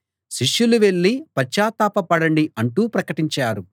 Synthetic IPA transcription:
ʃiʂjuluʋe̞ɭːipɐt͡ʃːaːt̪aːpɐpɐɽɐɳɖiɐɳʈuːpɾɐkɐʈiɲt͡ʃaːɾu

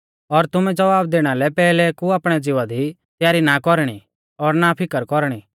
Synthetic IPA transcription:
ɔɾt̪ʊmɛ̃d͡zɐʋaːb̚d̪eːɽ̃alɛpɛːlɛkuaːpɽ̃ɛd͡zɪʋad̪ʱi | t̪jaːɾinakɔɾɽ̃i | ɔːɾnapʰɪkəɾkɔɾɽ̃i

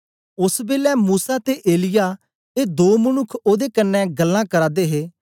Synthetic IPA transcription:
ʊsbeːlɛːmuːsat̪eʔeːlɪjaː | eːd̪oːmənʊkʰːoːd̪eːkənːɛɡəlːãːkəɾaːd̪eːɦeː

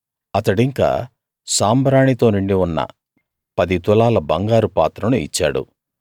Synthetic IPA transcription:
ɐt̪ɐɽiŋka̰ː | saːmbɾaːɳit̪o̞ːniɳɖiunːɐ̰ | pɐd̪it̪ulaːlɐbɐŋɡaːɾupaːt̪ɾɐnuḭt͡ʃːa̰ːɽṵ

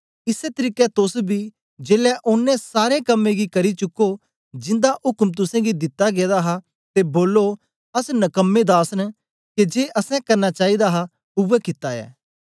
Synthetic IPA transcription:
ɪset̪əɾiːkɛt̪ʊsbʱi | d͡ʒeːlɛʔʊnːɛ̃saːɾẽkɐmːẽɡikɐɾit͡ʃʊko | d͡ʒɪ̃nd̪aʔʊkmt̪̬ʊsɛ̃ɡid̪ɪt̪ːaɡeːd̪aɦa | t̪eboːlːo | ɐsnɐkəmːẽd̪aːsən | ked͡ʒeːʔɐsɛ̃kɐɾnat͡ʃaːid̪aɦa | ʊbəkɪt̪ːaɛ̰ː

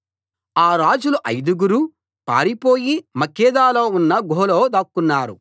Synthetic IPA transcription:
aːɾaːd͡ʒuluʔɐjd̪uɡuɾu | pa̰ːɾipo̞ːjimɐkːɛːd̪aːloːunːɐɡʱoːlo̞ːd̪ɐkːunːaːɾu

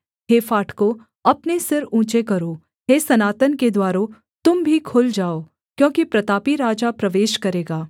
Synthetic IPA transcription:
ɦeːfaːʈʰko | ɐpnesɪɾũːt͡ʃekɐɾoː | ɦeːsɐnaːt̪ənked̪waːɾõ | t̪ʊmbʱikʰʊld͡ʒaːoː | kjõːkipɾɐt̪aːpiɾaːd͡ʒapɾɐʋeːʃkɐɾeːɡaː

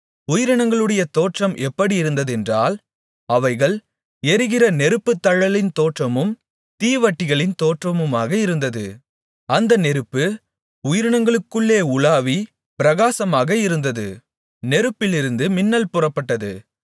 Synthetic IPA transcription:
ʊjɪɾɐɳɐŋɡɐɭɯɽɐjɐt̪oːʈrɐmʔɛpːɐɽiɪɾɯnd̪ɐðɛndraːl | ɐʋɐɪɣɐɭ | ɛɾɯɣɪrɐnɛɾɯpːɯt̪ːɐɻɐlɪnt̪oːʈrɐmɯm | t̪iːʋɐʈːɪɣɐɭɪnt̪oːʈrɐmɯmaːɣɐɪɾɯnd̪ɐðɯ̰ | ɐnd̪ɐnɛɾɯpːɯ | ʊjɪɾɐɳɐŋɡɐɭɯkːɯɭːeːʊɭaːʋi | pɪɾɐɣaːsɐmaːɣɐɪɾɯnd̪ɐðɯ̰ | nɛɾɯpːɪlɪɾɯnd̪ɯmɪnːɐlpʊrɐpːɐʈːɐðɯ

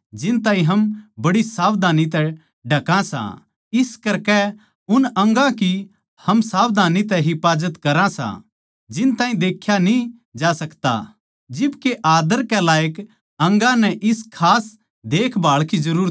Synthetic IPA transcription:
d͡ʒɪnt̪ãːɦĩɦɐmbɐɽisaːbd̪ʱaːnit̪ɛ | ɖʱɐkãsã̰ | ɪskɐɾkɛ | ʊnɐ̃ŋɡãki | hɐmsaːbd̪ʱaːnit̪̬ɛɦɪpaːd͡ʒət̪kɐɾãsã̰ | d͡ʒɪnt̪ãːɦĩd̪eːkʰːjanĩ | d͡ʒaːsɐkt̪a̰ | d͡ʒɪbkeʔaːd̪əɾkɛlaːjək | ɐ̃ŋɡãnɛ̃ʔɪskʰaːs | d̪eːkʰbaːɭkizɐɾuːɾ

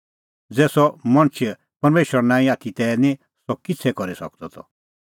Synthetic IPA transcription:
d͡zɛːsɔmɐ̃ñt͡ʃʰ | pɐɾmeːʃəɾnãːĩaːt̪ʰit̪ɛːnĩ | sɔkɪt͡sʰɛkɔɾisɔk̚d̪ɔt̪ʰɔ

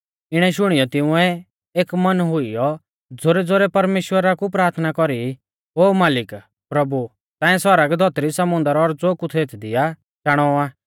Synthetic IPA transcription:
ɪɽ̃ɛʃ̬ʊɽ̃ijɔt̪ɪũɛ | eːkmɐnɦʊijɔ | d͡zoːɾɛd͡zoɾɛpɐɾmeːʃwəɾakupɾaːɾt̪ʰnakɔɾi | oːmaːlɪk | pɾɐbu | t̪ãːɛ̃sɔɾəɡd̪ʱɔt̪ɾisɐmʊ̃nd̪əɾɔɾd͡zoːkut̪ʰeːt̪ʰd̪ɪja | t͡ʃaɽ̃ɔaː

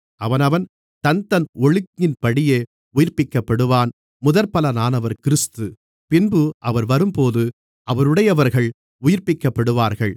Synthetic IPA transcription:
ɐʋɐnɐʋɐn | t̪ɐnt̪ɐnɔɭɯkɲɪnpɐɽɪjeː | ʊjɪɾpɪkːɐpːɐɽɯʋaːn | mʊðɐɾpɐlɐnaːnɐʋɐɾkɪɾɯst̪ɯ | pɪnbɯʔɐʋɐɾʋɐɾɯmpoːðɯ | ɐʋɐɾɯɽɐjɐʋɐɾɣɐɭ | ʊjɪɾpɪkːɐpːɐɽɯʋaːɾɣɐɭ

